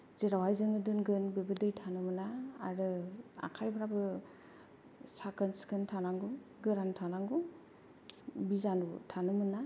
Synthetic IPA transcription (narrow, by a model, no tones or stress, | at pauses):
zeɾawajzɯŋɯdɯnɡɯnbebɯdɯjtʰanɯmɯnaːɾɯa̰kʰajbɯɾabɯ | sakʰɯnskʰɯntʰanaŋɡuɡɯɾantʰanaŋɡu | bizanutʰanɯmɯna